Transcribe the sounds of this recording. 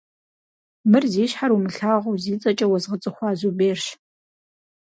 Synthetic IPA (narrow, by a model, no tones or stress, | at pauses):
mɨrziːɕħarumɨɬaːʁɐwziːt͡sʼɐt͡ʃʼɐwɔzʁət͡sʼɨχʷɑːzubeːrʃ